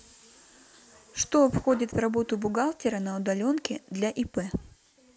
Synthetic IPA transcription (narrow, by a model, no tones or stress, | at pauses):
ʂt̪o̞ɐpxo̞dʲɪt̪vrɐbo̞t̪ʊbʊɡalˠtʲɪɾənɐʊd̪ɐlʲo̞nkʲɪd̪lʲɐʔipɛ